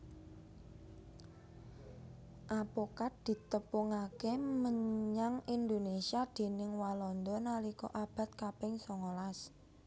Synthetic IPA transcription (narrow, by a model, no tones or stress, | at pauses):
ʔapokat̚d̪̥i̤t̪əpʊŋakeməɲɲaŋind̪onesiad̪̥e̤nɪŋwalɔnd̪ɔnalikɔ̰ʔab̥a̤t̪̚kapɪŋsɔŋolas